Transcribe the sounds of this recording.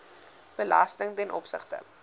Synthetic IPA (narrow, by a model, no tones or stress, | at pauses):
b̥əlɐstəŋtɛnʔɔpsəχtə̰